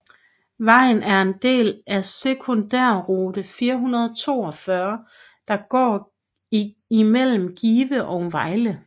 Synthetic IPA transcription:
ʋɑ̈ɪ̰n̩ʔæɐe̝nd̥e̝̰ːlæsekʰo̝nd̥æɐ̰ʁoːd̥əfiːɐɦunɐð̞ˠɒt͡sʰo̝̰ːɒ̽fɶɐ | d̥ɑ̈ɡ̥ɒ̰ː | imel̰m̩ɡ̥iːʋəʔɒʊʋɑ̈ɪlə

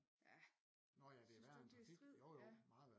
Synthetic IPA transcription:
æ | nɒjæd̥e̝æʋæɐ̥en̥ʰi̥joʊjomɑ̈ːð̩ˠʋæɐ

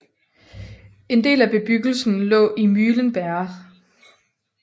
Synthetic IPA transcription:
e̝nd̥e̝̰ːlæb̥e̝b̥yɡ̥l̩sn̩lɔ̰̽ːʔimyːlənb̥æɐ

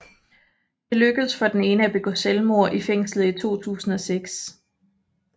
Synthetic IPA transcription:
d̥e̝løɡ̥əð̩ˠsfɒ̽d̥ene̝ːnəæb̥e̝ɡ̥oselmo̝ɐ̰ʔifeŋ̰slð̩ˠit͡sʰo̝̰ːt͡sʰṵːsn̩ɒ̽seɡ̥s

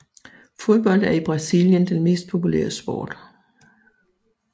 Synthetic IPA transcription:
fo̝ðˠb̥ɒ̽l̰d̥æɐib̥ʁɑ̈siljənd̥enme̝̰ːsd̥̚pʰo̝pʰulḛːɐsb̥ɔ̰ːd̥

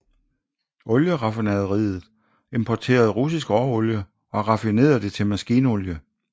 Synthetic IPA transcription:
ʔɔ̽ljəʁɑ̈finɛðˠʁḭːð̩ˠ | e̝mpʰɒt͡sʰe̝̰ːɐð̞̩ˠʁus̬isɡ̥ɒːɔljə | ɒ̽ʁɑ̈fine̝̰ːɐðˠd̥e̝t͡sʰe̝lmæsɡ̥iːnəɔljə

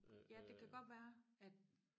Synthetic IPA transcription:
jæd̥e̝kʰæɡ̥ɒ̽d̥ʋæːɐæd̥

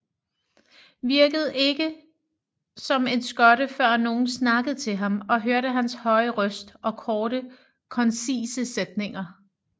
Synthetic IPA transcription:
ʋiɐɡ̥əð̞̩ˠe̝ɡ̥ə | sɒ̽me̝nsɡ̥ɒ̽ɾəfɶɐ̰no̝ːn̩snɑ̈ɡ̥əð̞̩ˠt͡sʰe̝lɦɑ̈mɒ̽ɦøɐɾəɦænshɒ̽ɪəʁœsd̥ɒ̽kʰɒːɾə | kʰɒ̽nsiːsəsed̥ne̝ŋɐ

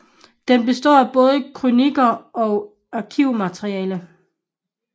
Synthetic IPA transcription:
d̥enb̥e̝sd̥ɒ̰ːæb̥ɔ̽ːð̞ˠəkʰʁuniɡ̥ɐʔɒ̽ | ɑkʰiʊ̰mæt͡sʰʁiɛːlə

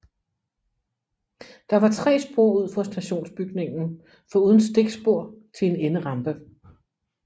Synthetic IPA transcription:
d̥ɑ̈ʋɑ̈t͡sʰʁɛ̰ːsb̥ʁo̝ɐuð̰ˠfɒsd̥æɕo̝̰ːnsb̥yɡ̥ne̝ŋn̩ | fɒ̽uːð̞ˠən̩sd̥e̝ɡ̥sb̥o̝ɐ̰t͡sʰe̝le̝nenəʁɑ̈mb̥ə

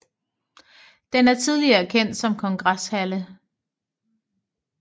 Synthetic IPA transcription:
d̥enæɐt͡sʰið̞ˠliɐkʰen̰d̥sɒ̽mkʰɒ̽ŋɡ̥ʁashælə

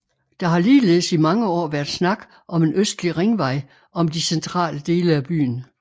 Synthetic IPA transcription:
d̥ɑ̈ɦɑ̈liːle̝ːsimɑ̈ŋəɒ̰ːʋæɐd̥snɑ̈ɡ̥ | ʔɒ̽me̝nøsd̥liʁeŋʋɑ̈ɪ̰ | ɒ̽md̥isent͡sʰʁɑ̰̈ːləd̥e̝ːləæb̥y̰ːn̩

